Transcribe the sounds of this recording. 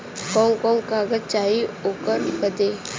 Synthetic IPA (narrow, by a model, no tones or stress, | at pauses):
kɔːŋkɔːŋkaːɡət͡ʃaːɦioːkəɾbəd̪eː